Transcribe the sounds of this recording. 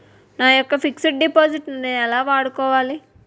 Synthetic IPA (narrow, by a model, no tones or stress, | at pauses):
naːjɔkːɐfikseʈ̚ɖipoːd͡ʒiʈnɐneːnɛlaːʋaːɽukɔːʋaːli